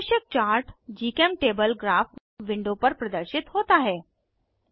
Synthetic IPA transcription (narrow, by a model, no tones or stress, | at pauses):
ɕjək̚t͡ɕaːɾʈd͡ʑiːkemʈebəlɡɾaf | ʋɪɳɖopəɾpɾɐd̪əɾʃɪt̪ɦoːt̪aɦɛː